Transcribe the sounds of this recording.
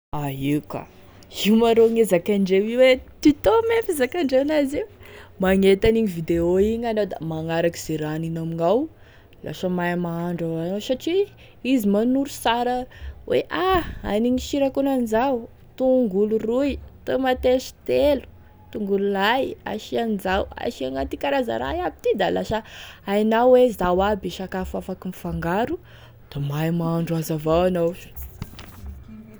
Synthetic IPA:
aika̰ | iumaɾoŋezakaɳɖ͡ʐewiwet̪it̪omefizakaɳɖ͡ʐeanaziwmaŋet̪aniɲivid̪eoiɲanod̪a̰maŋaɾaki̥z̥eɾaninamiŋaw | la̰ʃəmajmaaɳɖ͡ʐaanosaʈ͡ʂi | izimanuɾusaɾəwʔeʔaa̰niɲiʃiɾakunanizaw | t̪uŋɡulurujt̪omat̪eʃi̥t̪elu̥ | t̪uŋɡululaja̰ʃianizawa̰ʃiaŋat̪ikaɾaza̰ɾa̰jabit̪id̪alaʃəajnawwezawabiʃakafafakinifaŋɡaɾu | d̪̥amajmaaɳɖ͡ʐazavawanowʃ

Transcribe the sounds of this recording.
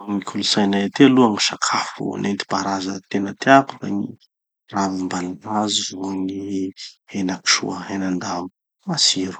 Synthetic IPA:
ŋikʲʰulusajnajat̪ealuaŋiʃakʰafṵnent̪i̥paɾazət̪enət̪eakufa̰ni | ravimbalaɾazizuani | enaki̥ʃṵəenand̪amu̥ | asiɾu̥

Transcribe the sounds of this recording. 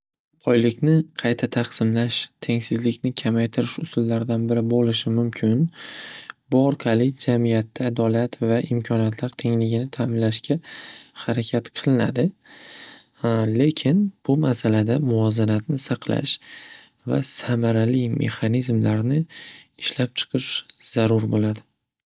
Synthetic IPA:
pʰɒjlɪkʲnɪqʰɑjt̪ʰat̪ʰɑqsɪmlaʃt̪ʰe̞ŋsɪzlɪkʲnɪkʲʰamajt̪ʰɪɾɪʃʊsʊlːaɾd̪anbɪɾɪbolɪʃɪmʊmkʲʰɪn | bʊɒɾqʰɑlɪd͡ʒamijat̪ʰːaːd̪ɒlat̪vaʔɪmkʲʰɒnijat̪ʰlaɾt̪ʰe̞ŋlɪɡʲɪnɪt̪ʰaːmɪnlaʃkʲahaɾakʲʰat̪qʰɨlˠɪnad̪ɪ | le̞kʲʰɪnb̥ʊmasalad̪amʊvɒzanat̪nɪsɑqʰla̰ʃ | va̰samaɾalɪme̞̰χanizmlaɾnɪɪʃlap̚t͡ʃʰɨ̥qʰɨʃz̥aɾʊɾbolad̪ɪ

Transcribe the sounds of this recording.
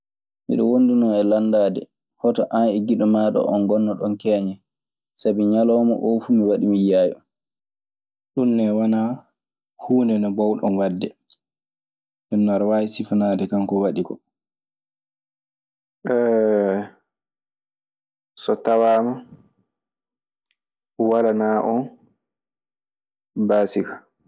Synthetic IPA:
mḭɗɔ̰wondunɔɛlandaːdɛ̰ | hɔtɔʔanɛɡiɗɔmaɗɔ̰ʔɔnɡɔnːɔɗɔnkɛːɲɛ | sabiɲalɔːmɔ̰ʔofumiwaɗimijaːjɔ̰ | ɗunːɛwana | huːndɛnɔbɔwɗɔnwadːɛ | ɗɛnːaɾwajsifnadɛkaŋkɔwaɗikɔ̰ | ʔɛ | sɔtawaːma | walanaːʔɔn | baːsikḁ

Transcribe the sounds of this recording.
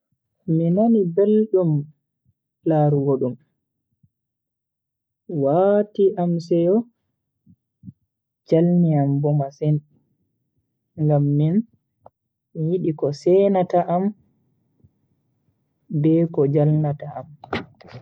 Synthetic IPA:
minanibelɗum | laɾuɡoɗum | watiʔamsɛjɔ | d͡ʒalniambɔmasɛn | ŋɡamːin | mijiɗikɔsɛnataʔːm | bɛkɔd͡ʒalnataʔam

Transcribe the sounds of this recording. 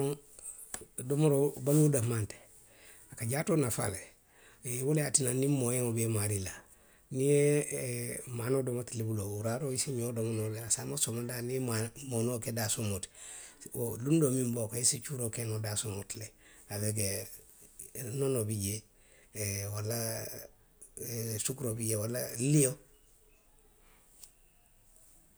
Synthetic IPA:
domoɾobaludamante̥ | akaɟaːtonafa̰le | woljatinanimojeŋobemaɾila | nie | manodomatilebulouɾaɾoisimiodomonobeɾasamosomadaniemamonokedasomot | lundomimbokoesit͡ʃuɾokenodasumotleabek̬e | nonobiɟe | walːa | sukɾobiɟewalalijo

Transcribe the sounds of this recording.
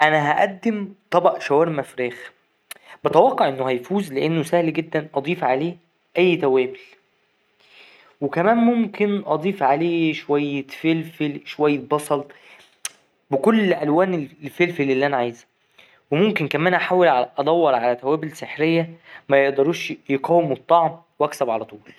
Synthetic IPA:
ʔænæɦæʔæd̪ːemt̪ˤɑbɑʔʃæwæːɾmæfɾæːx | bet̪æwɑqːɑʕʔenːohæjfuːzleʔenːosæhlɡed̪ːænʔɑd̪ˤiːfʕaleː | ʔæjːt̪æwæːbel | wekæmæːnmomkenʔɑd̪ˤiːfʕaleːʃowæjːefelfelʃowæjːebɑsˤɑl | bekolːʔælwæːnellfelfelelːiʔænæʕajzæ | wemomkenkæmæːnʔaħaːwelʕaʔɑd̪ˤæwːɑɾˤʕalæt̪æwæːbelseħɾejːæmæjeʔd̪ɑɾˤuːʃjeqæwːemet̪ˤːɑʕm | weʔæksæbʕalæt̪ˤuːl

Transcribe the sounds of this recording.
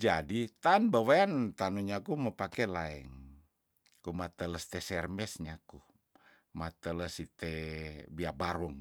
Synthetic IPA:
d͡ʒadit̪anbawaant̪anuɲakuməpakɛlaɛŋ | kumat̪ələst̪ɛsɛrmɛsɲaku | mat̪ələsit̪ɛbiabaɾuŋ

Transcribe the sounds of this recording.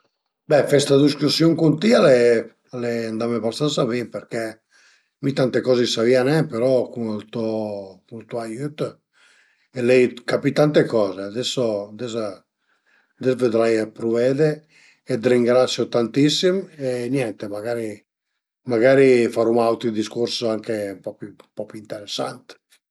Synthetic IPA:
bɛfɛst̪ad̪iskusjɔŋkunt̪iale | alɛand̪amebast̪ansavipeɾkɛ | mit̪ant̪ekɔzesavianɛpeɾɔkunlt̪ɔkult̪uajyt̪ | elɛjkapit̪ant̪ekɔːzead̪ɛsːod̪ɛza | d̪ɛzved̪ɾajpɾuvɛd̪eː | d̪ɾiŋɡɾat̪sjot̪ant̪isːimenjɛnt̪emaɡaɾi | maɡaɾifaɾumawt̪id̪iskuɾsaŋkempɔppɔpint̪eɾesːant̪

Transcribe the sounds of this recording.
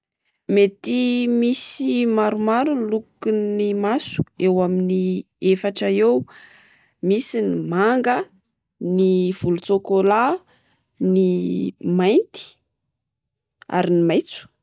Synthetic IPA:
met̪imisimaɾumaɾulukunimasu̥ewamini | efaʈ͡ʂəew | misinimaŋɡə | niv̥ulut͡sokola | nimajnt̪i̥ | a̰ɾinimajt͡su̥

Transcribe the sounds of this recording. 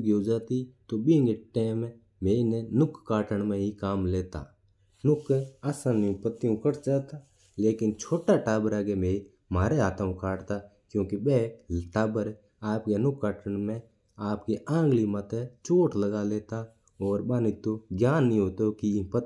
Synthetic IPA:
ɡjoːd͡ʒaːt̪it̪oɓĩːŋɡeʈeːm | meːinenʊkːaːʈəɳmẽɦikaːmleːt̪a̰ː | nʊkaːsãːnjũpət̪ːijũkəɽt͡ʃaːt̪a | leːkɪnt͡ʃʰoːʈaʈaːbəɾaːɡemeːi | maːɾeaːt̪ãũkaːʈt̪aː | kjõːkiɓeːʈaːbəɾ | aːpkenʊkːaːʈəɳmẽ | aːpkeʔãːŋɡlimat̪et͡ʃoːʈləɡaleːt̪a | ɔːɾɓaːnit̪oɡjaːnːĩɦoːt̪okipə

